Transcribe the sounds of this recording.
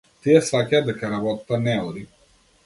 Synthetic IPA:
t̪iɛsakʲad̪ɛkɐɾabɔt̪t̪anɛuɾi

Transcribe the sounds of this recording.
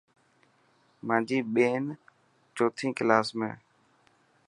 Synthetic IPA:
mãːd͡ʒiːɓeːn | t͡ʃoːt̪ʰĩːklaːsmḛ̃ː

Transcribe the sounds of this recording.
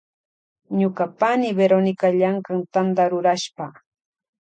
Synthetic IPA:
ɲʊkapanɪbeɾonɪkaʎaŋkaŋt̪and̪aɾʊɾaʃpa

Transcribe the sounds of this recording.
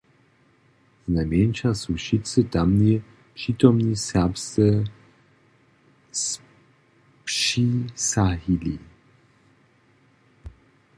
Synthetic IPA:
znajmɛnʃasuʃitt͡sɨt̪amni | pʂiːt̪ɔmnisɛpst̪ɛ | s | pʂisaɦili

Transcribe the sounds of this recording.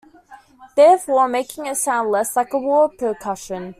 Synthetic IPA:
ðɛːfɔːmeɪkɪ̃ŋɪtsãʊ̃ndˡləslaɪkəwɔːpʰəkʰʌʃə̃n

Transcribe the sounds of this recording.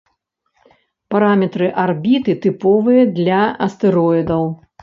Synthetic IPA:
paɾamʲɛt̪ɾɨʔarbʲit̪ɨt̪ɨpɔvɨjɐd̪lʲɐɐst̪ɛɾɔid̪ɐw

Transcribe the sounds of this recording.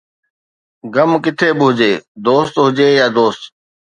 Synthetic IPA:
ɡəmkɪt̪ʰeːbɪɦʊd͡ʑeːd̪oːst̪ɦʊd͡ʒeːjaːd̪oːst̪

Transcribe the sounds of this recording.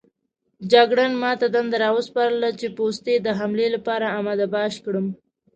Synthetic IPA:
d͡ʒaɡɽanmɑt̪ad̪and̪aɾɑwəspɑɾəlat͡ʃepost̪ed̪əɦamlelapɑɾaːmad̪abɑʃkɽəm

